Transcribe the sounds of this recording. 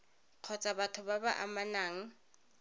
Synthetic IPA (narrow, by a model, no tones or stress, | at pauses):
q͡χʰɔt͡sʼabatʰʊbaba̰ʔa̰manaːŋ̩